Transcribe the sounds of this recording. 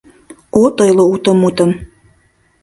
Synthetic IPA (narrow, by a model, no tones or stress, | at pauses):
ot̪ojlˠout̪ə̆mut̪ə̆m